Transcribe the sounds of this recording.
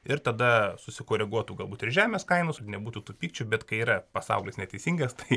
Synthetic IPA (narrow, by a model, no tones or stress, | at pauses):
ɪɾt̪ɐd̪ɐsʊsʲɪkoːɾʲɛɡuɔt̪uːɡɐlˠbuːt̪ɪrʒʲæːmʲeːskɐɪnʊsnʲɛbuːt̪uːt̪uːpʲiːk̚t͡ʃʲubʲɛt̪kɐɪiːɾɐpɐsɑ̰ʊlʲɪsnʲɛt̪ʲɛɪsʲiːŋɡɐst̪ɐɪ